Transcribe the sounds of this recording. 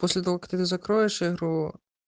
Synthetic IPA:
pɔsʲlʲɛt̪ɐvɔkɐk̚t̪ɨt̪ɨzɐkɾɔjɛʂiɣɾu

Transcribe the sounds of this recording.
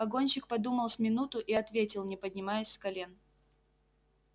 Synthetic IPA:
ɐɡo̞nʲɕɪk̚pɐd̪uməlˠsʲmʲɪnut̪ʊʔiɐt̪vʲetʲɪlˠnʲɪpədʲnʲɪmajɪsʲskɐlʲen

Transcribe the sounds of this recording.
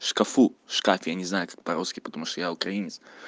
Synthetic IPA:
ʂkɐfuʂkafʲjanʲɪznajʊkḁk̚pɐɾoskʲɪpət̪ɐmuʂt̪ojaʊkɾɐinʲɪt̪s

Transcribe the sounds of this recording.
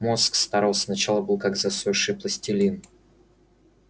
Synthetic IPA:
moskst̪aɾalˠsnɐt͡ɕalˠəbɨlˠkakzɐsoʂɨplˠəsʲtʲɪlʲin

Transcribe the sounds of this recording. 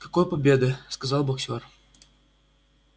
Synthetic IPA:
kɐkojpɐbʲed̪ɨskɐzɑlˠbɐksʲor

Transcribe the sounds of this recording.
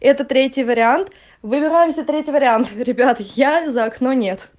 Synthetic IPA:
ɛt̪ət̪ɾʲetʲjɪjvəɾʲɪant̪ | vɨbʲɪɾajɪmsʲət̪ɾʲetʲɪjvəɾʲɪant̪ɾʲɪbʲat̪jazəɐkno̞nʲe̞t̪

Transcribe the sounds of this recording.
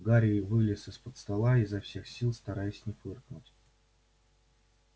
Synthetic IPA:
ɡaɾʲɪvɨlʲɪsɨspət̪st̪ɐlˠaizɐfsʲe̞xsʲilˠst̪ɐɾajɪsʲnʲɪfɨrknʊtʲ

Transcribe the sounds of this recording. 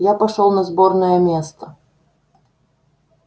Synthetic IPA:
japɐʂɔlˠnɐzbɔrnəjəmʲest̪ə

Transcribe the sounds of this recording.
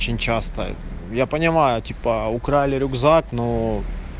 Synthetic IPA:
t͡ɕɪnʲt͡ɕast̪ə̰japənʲɪmajʊtʲipəʊkɾalʲɪɾʲʊɡzakno

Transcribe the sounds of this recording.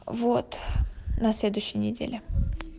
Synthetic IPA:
vot̪nɐsʲlʲed̪ʊjɕːɪjənʲɪdʲḛlʲɪ

